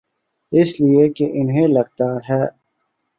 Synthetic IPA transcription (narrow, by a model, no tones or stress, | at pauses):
ɪsliekeʔɪnɦẽlɐɡ̚t̪aːɦɛː